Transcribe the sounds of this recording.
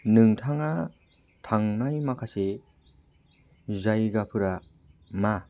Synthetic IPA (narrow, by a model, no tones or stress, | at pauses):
nɯŋtʰaŋa | tʰaŋnajmakʰase | zajɡapʰɯɾa | ma